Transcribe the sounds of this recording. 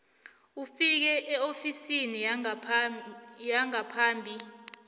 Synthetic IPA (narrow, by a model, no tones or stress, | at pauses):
ufik̬ɛʔɛofisini | jaŋapʰaːmbʱi